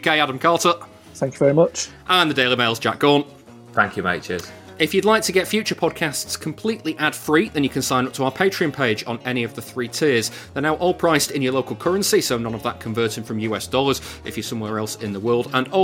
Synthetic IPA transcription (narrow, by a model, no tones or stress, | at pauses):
keɪaɾə̃mkʰɑˑtə | θæ̃ŋkjəvɛɹimʌt͡ʃʔə̃nðədeɪlˠimeɪlˠzd͡ʒa̰k̚ɡ̥ɔːn | θæ̃ŋkʰjɨmḛɪt͡ʃə̰z̥ | ɪfjɨdˡlaɪk̚tʰəɡɛtfjʉˑt͡ʃəpʰɒd̚kʰastskʰə̃mpʰl̥iˑʔliʔad̥fɹiðə̃njəkʰə̃nsãɪ̃nʊp̚tʰəaʊəpʰeɪt͡ʃɹ̥iə̃npʰeɪd͡ʒn̩ɛñiəvðəθɹiːtʰɪəz | ðənaʊʔɔlˠpʰɹ̥aɪstɪ̃njəloʊkəlˠkʰʌɹə̃nsisoʊnʌ̃nəvðəʔ̚kʰə̃ɱvɜˑtɪ̃ŋfɹə̃mjʉːɛsd̥ɔlˠəz̥ɪfjəsʊ̃mwɛɹɛlˠsɪ̃nðəwɜːlˠdə̃nɔ